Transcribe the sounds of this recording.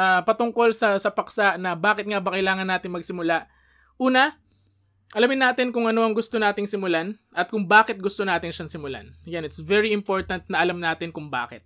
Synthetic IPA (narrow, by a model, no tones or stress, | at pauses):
ʔapɐt̪ʊŋko̞lsɐsɐpɐksaʔnɐbaːkɪt̪̚ŋabɐkɐʔjlaːŋɐnːaːt̪ɪŋmɐɡsɪmʊlaʔ | ʔuːnɐ | ʔɐlɐmɪnːaːt̪ɪnkʊŋʔɐno̞ʔɐŋɡʊst̪onaːt̪ɪŋsɪmʊlan | ʔɐt̪̚kʊŋbaːkɛt̪̚ɡʊst̪onaːt̪ɪnʃɐnsɪmʊla̰njanɪt̪svɛɹiɪmpo̞ɹt̪ɐnt̪̚nɐʔɐlamnaːt̪ɪnkʊŋba̰ːkɛt̪̚